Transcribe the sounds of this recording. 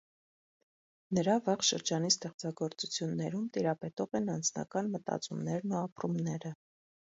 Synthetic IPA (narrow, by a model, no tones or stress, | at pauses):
nəɾɑvɑʁʃəɾd͡ʒɑnist̪ɛχt͡sɑɡɔɾt͡sut͡sʰjunːɛɾumt̪iɾɑpɛt̪ɔʁɛnɑnd͡znɑ̰kɑnmət̪ɑ̰t͡sumnɛɾnuɑpɾumnɛɾə